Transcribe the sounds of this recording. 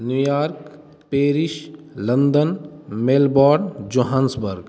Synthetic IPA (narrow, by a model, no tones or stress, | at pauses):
njuːjaːɾk | peːɾɪʃlə̃nd̪ənmeːlbɔːɾɖd͡ʒoːɦaːnsbəɾɡ